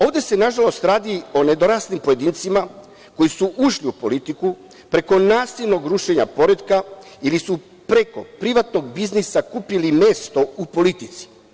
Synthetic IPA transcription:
o̞ːʋd̪e̞se̞naʒalo̞st̪ɾaːd̪io̞ne̞d̪o̞ɾaːsnimpo̞je̞d̪iːnt̪sima | ko̞jisuʔuʃliupo̞lit̪iku | pɾe̞ko̞naːsilno̞ɡɾuʃe̞ɲapo̞ɾe̞d̪ka | ilisu | pɾe̞ko̞pɾiʋat̪no̞ɡbiznisakupilime̞ːst̪o̞upo̞lit̪it̪si̥

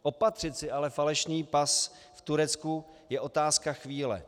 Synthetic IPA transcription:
ʔo̞pat̪r̝̥ɪt̪sɪʔalɛfalɛʃniːpas | ft̪uɾɛt̪t͡sku | jɛʔo̞t̪aːskaxviːlɛ̰

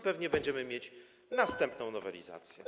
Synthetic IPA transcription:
pɛvɲɛbɛɲd͡ʑɛmɘmʲjet͡ɕ | nast̪ɛmpnɔ̃w̃nɔvɛlʲḭza̰t̪sʲjɛ̰

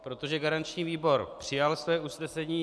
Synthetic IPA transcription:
pɾo̞t̪o̞ʒɛɡaɾant͡ʃɲiːviːbo̞ɾpr̝̥ɪjalsvɛːusnɛsɛɲiː

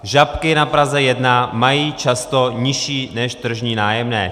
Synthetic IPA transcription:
ʒapkɪnapɾazɛjɛdnamajiːt͡ʃast̪oɲɪʃiːnɛʃt̪r̩ʒɲiːnaːjɛmnɛː

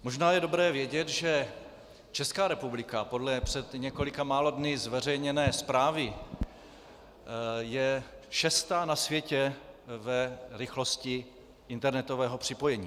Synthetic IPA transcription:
moʒnaːjɛdo̞bɾɛːvjɛɟɛt̪ʒɛ | t͡ʃɛskaːɾɛpublɪkapo̞dlɛpr̝̥ɛt̪ɲɛko̞lɪkamaːlo̞dnɪzvɛrɛjɲɛnɛːspɾaːvɪ | jɛʃɛst̪aːnasvjɛcɛvɛɾɪxlo̞scɪ | ʔɪnt̪ɛɾnɛt̪ovɛːɦo̞pr̥ɪpo̞jɛɲiː

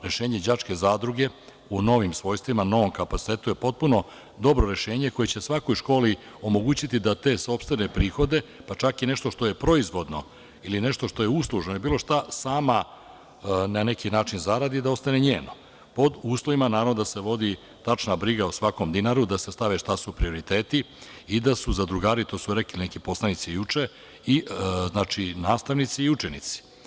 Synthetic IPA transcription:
ɾe̞ʃeːɲed͡ʑat͡ʂke̞zaːd̪ɾuɡe̞ | uno̞ʋimsʋo̞ːjst̪ʋimano̞ʋomkapat̪si̥t̪eːt̪uje̞po̞t̪̚puno̞ | d̪o̞bɾo̞ɾe̞ʃe̞ːɲe̞ko̞jet͡ɕesʋako̞jʃko̞ːli | o̞mo̞ɡuːt͡ɕit̪id̪at̪e̞ːso̞pst̪ʋenepɾiːxo̞d̪e̞pat͡ʂakine̞ʃt̪o̞ʃt̪o̞je̞pɾo̞izʋo̞d̪no̞ | ilineʃt̪oʃt̪o̞je̞uslˠuʒnojebiːlˠo̞ʃt̪asaːma | nane̞kinaːt͡ʃinzaɾad̪id̪ao̞st̪ane̞ɲeːno̞ | po̞d̪uːslˠo̞ʋimanaːɾavʋnod̪ase̞ʋo̞d̪i | t̪at͡ʂnabɾiɡaosʋako̞md̪inaɾud̪ase̞st̪aʋeʃt̪asupɾio̞ɾit̪e̞ːt̪i | id̪asuzad̪ɾuɡaːɾit̪o̞suɾeklilinekipo̞slˠanit̪sijut͡ʂe | iznaːt͡ʃinaːst̪aʋnit̪siːut͡ʃenit̪si̥

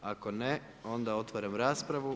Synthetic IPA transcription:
ako̞ne | o̞nd̪ao̞t̪ʋaɾamɾaːspɾaʋu

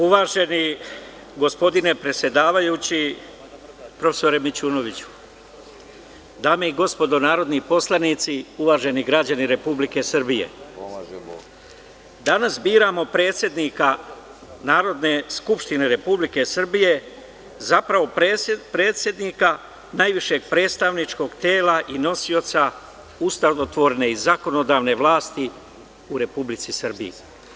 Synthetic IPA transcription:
uʋaːʒe̞ni | ɡo̞spo̞d̪ine̞pɾe̞t̪sʲje̞d̪aːʋajuːt͡ɕi | pɾo̞fesoɾemit͡ɕuːno̞ʋit͡ɕu̥ | d̪aːmeiɡo̞spo̞d̪o̞naːɾo̞d̪nipo̞slˠanit̪siuʋaːʒe̞niɡɾad͡ʑaniɾe̞publike̞sr̩bijḛ | d̪anasbiːɾaːmo̞pɾe̞ːt̪sʲje̞d̪nika | naːɾo̞d̪ne̞skupʃt̪ine̞ɾe̞publike̞sr̩bije̞ | zapɾaʋo̞ppɾe̞ːt̪sje̞d̪nika | najʋiʃe̞ɡ̚pɾe̞ːt̪st̪aʋnit͡ʃko̞ɡt̪eːlaʔino̞sio̞t̪sa | ust̪aot̪ʋo̞ɾne̞izako̞no̞d̪aːʋne̞ʋlaːst̪i | uɾe̞publit̪sisr̩bḭjḛ

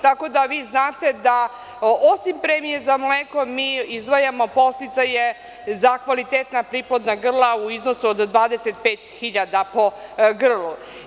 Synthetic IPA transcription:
t̪ako̞d̪aʋiːznaːt̪e̞d̪a | osimpɾemijezamleːko̞miːizd̪ʋajamo̞po̞st̪it̪saje | zakʋalit̪et̪napɾiplod̪naɡr̩lˠauiznosuod̪ːʋaːd̪eset̪peːt̪xiʎad̪apo̞ɡr̩lˠu

